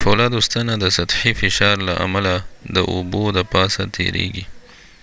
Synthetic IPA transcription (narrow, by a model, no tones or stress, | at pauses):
folɑd̪ust̪anad̪əsɐt̪ħifɪʃɑɾlaʔa̰malad̪əʔubod̪əpɑsat̪ʰḛɾḛɡi